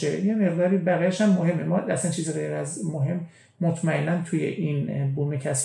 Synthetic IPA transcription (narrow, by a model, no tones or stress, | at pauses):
ejeme̞ʁd̪ɒːɾiːbæɣijæʃhæmːohe̞mːemɒæsænt͡ʃʰiːziɣejɾæzmoɦe̞mː | ot̪ʰmæenːænt̪ʰujḛʔinbumicʰæs